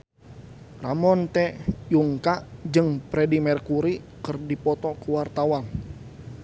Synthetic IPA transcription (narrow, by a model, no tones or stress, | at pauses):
ramɔnt̪ɛjuŋkad͡ʒɨŋpɾɛdimɛrkuɾi | kɨrdipɔt̪ɔkəwart̪awan